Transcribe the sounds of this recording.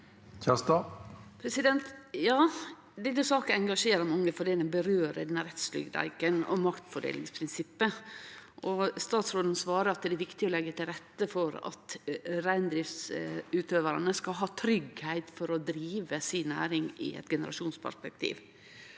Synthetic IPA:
çʰɑst̪ɑpʰɾɛsɪd̪ɛnt̪jɑː | d̪ɛnːəsɑːkənɛŋɡɑʂeːɾəɾmɑŋːəfɔɖeːd̪ɛnbəɾøːɾəd̪ɛnːəɾɛt̪slʏ̰ɡd̪æ̰ɪkənɔ̰mɑkt̪fɔɖḛːlɪŋspʰɾɪnsɪpːəʔɔst̪ɑːt̪sɾoːd̪ən̩sʋɑːɾəɾɑt̪̚d̪ɛæɾʋɪkt̪ɪɔlɛɡːət̪ʰɪlɾɛt̪ːəfɔɾɑ̰t̪ɾæɪnd̪ɾɪft̪sʉːt̪ʰøːʋəɾənəskɑɦɑːt̪ʰɾʏɡhæɪt̪fɔɾɔd̪ɾiːʋəsɪnæ̰ːɾɪŋɪ̰ɛ̰t̪ɡɛnəɾɑ̰ʂuːnspʰæ̰ʂpɛk̚t̪ʰḭːʋ

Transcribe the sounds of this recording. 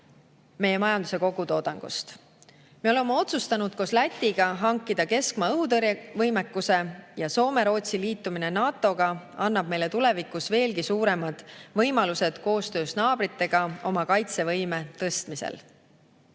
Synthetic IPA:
me̞jːe̞mɑjɑnd̪use̞ko̞ɡ̥ut̪o̞ːd̪ɑŋɡ̥ṵst̪ | meo̞lemːeo̞t̪sust̪ɑnud̪̥̚ko̞slæt̪ʲːˑiɡ̥ɑɦɑŋkːˑid̪̥ɑke̞skmɑɤɦut̪ɤrjvɤjmekːuse̞jɑso̞ːme̞ɾo̞ːt̪siliːt̪ːuminenɑːt̪ːˑo̞ɡ̥ɑ | ɑnːɑb̥̚me̞jle̞t̪ule̞vikˑusve̞ːlkisuːɾe̞mɑd̪̥vɤjmɑluse̞d̪̥ko̞ːst̪ø̞ːsnɑːbrit̪ːe̞ɡ̥ɑo̞mɑkɑjt̪se̞vɤjme̞t̪ɤst̪misḛl

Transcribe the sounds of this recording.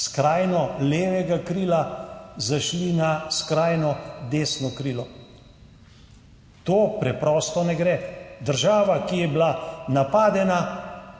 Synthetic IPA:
skɾaːjnɔleːʋɛɡakɾiːlazaʃlinaskɾaːjnɔd̪eːsnɔkɾiːlɔ | t̪oːpɾɛpɾɔːst̪ɔnɛɡɾɛːd̪əɾʒaːʋakijɛbilanapaːd̪ɛna

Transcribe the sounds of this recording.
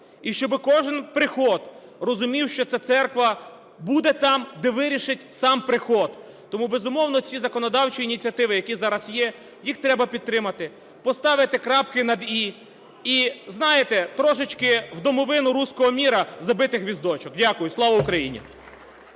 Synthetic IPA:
iʃt͡ʃɔbɪkɔʒɪnpɾɪxɔd̪ | rɔzʊmʲiwʃt͡ʃɔt̪sɛt̪sɛrkʋɐ | bud̪ɛt̪ɑmd̪ɛʋɪɾʲiʃɪtʲsɑmpɾɪxɔd̪ | t̪ɔmubezʊmɔwn̪ɔt͡sʲizɐkɔnɔd̪ɑwt͡ʃiːnʲit͡sʲɐt̪ɪʋɪjɐkʲizɑɾɐsjɛ | jixt̪ɾɛbɐpʲid̪̚t̪ɾɪmɐt̪ɪ | pɔst̪ɑʋɪt̪ɪkɾɑpkɪnɐd̪i | iznɑjet̪ɛt̪ɾɔʃɪt͡ʃkɪwd̪ɔmɔʋɪnʊɾusʲkɔɦɔmʲiɾɐzɐbɪt̪ɪxʋʲizd̪ɔt͡ʃɔkdʲakʊjʊslˠɔʋɐʊkɾɐjḭnʲḭ

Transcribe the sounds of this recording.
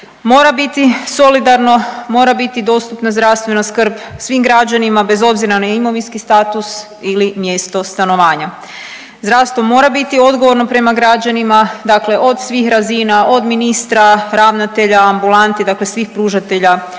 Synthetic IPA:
mo̞ːɾabit̪iso̞lid̪aɾno̞mo̞ːɾabit̪id̪o̞ːst̪upnazd̪ɾaʋst̪ʋe̞naskɾ̩bsʋimɡɾad͡ʑanimabe̞zo̞bziɾanajimo̞ʋinskist̪aːt̪us | ilimje̞ːst̪o̞st̪ano̞ʋaːɲa | zd̪ɾaʋst̪ʋo̞mo̞ːɾabit̪io̞d̪ɡo̞ʋo̞ɾno̞pɾe̞maɡɾad͡ʑanimad̪akle̞ʔo̞d̪sʋiːxɾazinao̞d̪minist̪ɾaɾaʋnat̪e̞ʎaːmbulˠant̪id̪akle̞sʋixpɾuːʒat̪e̞ʎa

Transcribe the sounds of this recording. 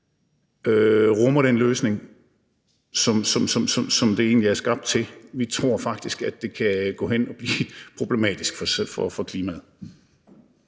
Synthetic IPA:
øʁɔmɐɾenløːsne̝ŋ | sɒ̽msɒ̽msɒ̽msɒ̽msɒ̽md̥e̝e̝̰ːnliæɐsɡ̥ɑ̈b̥̚d̥̚t͡sʰe̝lʋit͡sʰʁo̝ɐ̰fɑ̈ɡ̥̚d̥isɡ̥æd̥e̝kʰæɡ̥ɔ̰ːhen̰ɒ̽b̥liːpʰʁo̝b̥lemɛ̰ːd̥isɡ̥fɒsfɒfɒ̽kʰliːmæð̩ˠ

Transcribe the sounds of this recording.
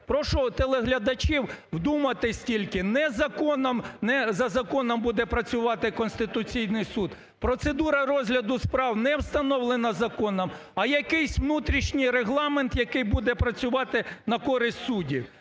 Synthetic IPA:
pɾɔʃɔt̪elˠeɦlʲɐd̪ɐt͡ʃiwwd̪umɐt̪ɪsʲtʲilʲkɪnɛzɐkɔnɐmnɛzɐzɐkɔnɐmbud̪ɛpɾɐt͡sʲʊʋɑt̪ɪkɔnsʲt̪ɪt̪ʊt͡sʲijnɪjsud̪ | pɾɔt̪sed̪uɾɐrɔzʲɦlʲɐd̪ʊspɾɑwnɛwst̪ɐnɔwlˠenɐzɐkɔnɐmɐjɐkɪjsʲʋnut̪ɾʲiʃnʲɪjɾeɦlˠɑment̪jɐkɪjbud̪ɛpɾɐt͡sʲʊʋɑt̪ɪnɐkɔɾɪsʲtʲsudʲi

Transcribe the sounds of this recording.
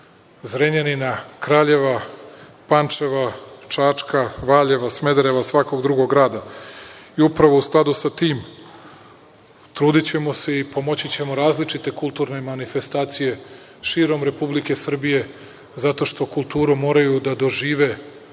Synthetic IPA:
zɾeɲeninakɾaːʎe̞ʋa | pant͡ʃeʋat͡ʃat͡ʃkaʋaːʎe̞ʋasme̞d̪ɾe̞ʋasʋako̞ɡd̪ɾuɡoɡɾaːd̪a | iupɾaʋousklˠad̪usat̪iːm | t̪ɾuːd̪it͡ɕe̞mo̞se̞ipo̞mo̞t͡ɕit͡ɕe̞mo̞ɾaːzlit͡ʃit̪e̞kulˠt̪uɾne̞manife̞st̪aːt̪sije̞ | ʃiːɾo̞mɾe̞publike̞sr̩bije̞ | zat̪o̞ʃt̪o̞kulˠt̪uːɾumo̞ːɾajud̪ad̪o̞ʒiːʋe̞

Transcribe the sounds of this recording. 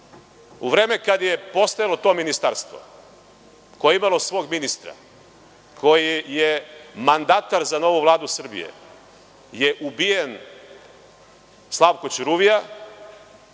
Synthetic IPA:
uʋɾe̞ːme̞kad̪jepo̞st̪ajalo̞t̪o̞minist̪aɾst̪ʋo̰ | ko̞jeimalo̞sʋo̞ːɡminist̪ɾa̰ | kʰo̞jijemand̪at̪aɾzano̞ʋuʋlˠaːd̪usr̩bḭjḛ | jeʔubijen | slˠaʋkot͡ɕɾuʋija

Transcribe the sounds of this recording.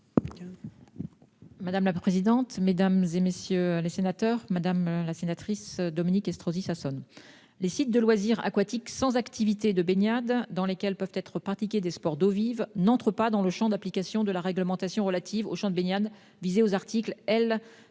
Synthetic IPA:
mad̪amlapχezid̪ɑ̃t̪med̪amzemesjølesenat̪œʁmad̪amlasenat̪χisd̪ɔminikɛst̪χozisasɔn | lesit̪̚d̪əlwaziʁa̰kwat̪iksɑ̃zakt̪ivit̪ed̪əbenjad̪ːɑ̃lekʲɛlpœvt̪ɛt̪χəpχat̪ikʲed̪espɔʁd̪ovivnɑ̃t̪χəpad̪ɑ̃ləʃɑ̃d̪aplikʲasjɔ̃d̪əlaʁɛɡləmɑ̃t̪asjɔ̃ʁəlat̪ʰivo̰ʃɑ̃d̪əbenjad̪ | vizeozaʁt̪ʰiklɛl

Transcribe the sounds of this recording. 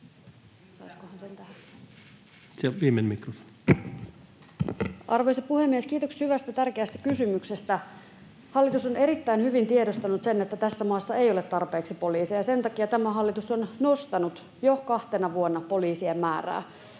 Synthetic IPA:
sɑiskohɑnsent̪æh | sielʋiːmenmikrofo̥n | ʔɑrʋoiseppːuhe̞mːiesk̟iːt̪o̞kshyʋæst̪æt̪ærkeæst̪æ̥kysymykse̞st̪æ | hɑlːit̪usone̞ɾit̪ːæinhyʋint̪iedost̪ɑnut̪se̞nːet̪ːæt̪æsːæmɑːsːɑejolet̪ːɑrpe̞ːksipo̞liːsijɑse̞nt̪ɑkiɑt̪æmæɦɑlːit̪usonnost̪ɑnut̪ | jokɑht̪enɑʋuonːɑpo̞liːsiemːæːræ̰ː

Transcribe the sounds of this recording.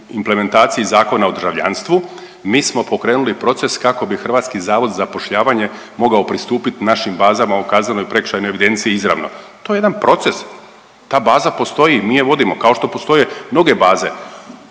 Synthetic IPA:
imple̞me̞nt̪aːt̪sijizaːko̞naod̪r̩ʒaʋʎa̰nst̪ʋu | miːsmo̞po̞kɾeːnulipɾo̞t̪se̞skako̞bixr̩ʋaːt̪skizaːʋo̞d̪zapo̞ʃʎaːʋaɲe̞ | mo̞ɡao̞pɾist̪uːpit̪inaʃimbaːzamaukaːznano̞jpɾe̞kʃajnojeʋid̪e̞nt̪siiizɾa̰ːʋno̞̰t̪o̞jejed̪anpɾo̞t̪se̞s | t̪aːbaːzapo̞st̪o̞jimiːjeʋo̞d̪imo̞kao̞ʃt̪o̞po̞st̪o̞jemno̞ɡe̞baːze̞̰

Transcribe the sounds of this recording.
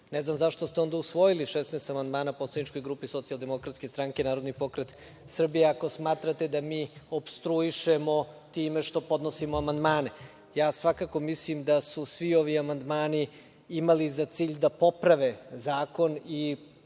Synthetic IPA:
neznamzaʃt̪ost̪eo̞nd̪ausʋo̞jiliʃesneːst̪amand̪maːnaposlˠad̪nit͡ʃko̞jɡɾuːpisot̪siald̪e̞mo̞kɾat̪skest̪ɾaŋkenaːɾod̪nipo̞kɾet̪ | sr̩bijeako̞smaːt̪ɾat̪ed̪amiːopst̪ɾuiʃemo̞t̪iːmeʃt̪o̞po̞d̪nosimoamand̪maːne | jaːsʋakako̞mislimd̪asusʋio̞ʋiamand̪maːni | imalizat̪siːʎd̪apo̞pɾaʋe̞zaːko̞ni

